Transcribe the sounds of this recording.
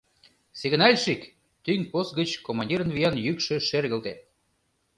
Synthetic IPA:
seɣə̆nɑlʲʃik | t̪yŋʲposɡə̆t͡ɕkomɑnʲdʲiɾə̆nβijɑnjykʃø̆ʃerɣə̆lt̪et̪̚

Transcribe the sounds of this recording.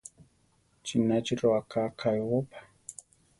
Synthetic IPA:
t͡ʃinat͡ʃiɾoakakʰajwopḁ

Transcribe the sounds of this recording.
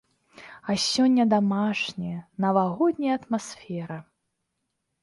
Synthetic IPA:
ɐsʲɔnʲːɐd̪amaʂnʲɛjɐnɐvaɣɔd̪ʲnʲɐjɐɐt̪masfʲɛɾɐ

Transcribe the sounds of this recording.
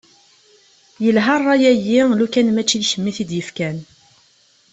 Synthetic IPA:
jəlɦɑrˤːɑjæjːilukænmæt͡ʃːilçəmːiθid̪jəfkæn

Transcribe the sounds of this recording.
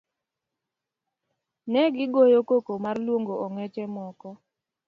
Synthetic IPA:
nɛɡɪɡojokokomarlwoŋɡoɔŋɛt͡ʃɛmɔkɔ

